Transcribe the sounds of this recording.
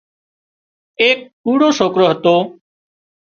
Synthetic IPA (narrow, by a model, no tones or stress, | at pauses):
eːk̚uːɽoːsoːkɾoːɦət̪oː